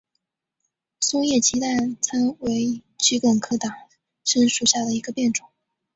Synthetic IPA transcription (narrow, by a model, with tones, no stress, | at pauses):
sʊ˥ŋjɛ˥˩t͡ɕʰi˧˥t̪a˥˩t͡sʰa˥nwe˧˥ɪt͡ɕʰy˧˥kwə˨˩ŋkʰɤ˥t̪ɑ˨˩ŋ | ʂə˥nʂu˨˩ɕja˥˩d̪ə˩i˧˥ɡə˧pjɛ˥˩nʈ͡ʂʊ˨˩˦ŋ